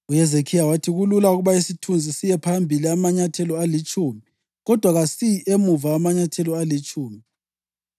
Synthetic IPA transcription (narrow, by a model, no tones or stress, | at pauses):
ujɛzekʰijawatʰiɣululauɣuβaisitʰund͡zʱisijɛpʰambʱiliamaɲatʰɛlɔalit͡ʃʼumi | ɣɔd̥ʱwaɣasiʔemuvaamaɲatʰɛlɔalit͡ʃʼuːmi